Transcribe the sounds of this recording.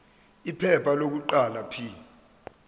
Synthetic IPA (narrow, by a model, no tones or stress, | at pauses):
ipʰɛpʰalok̬uǃalapʰi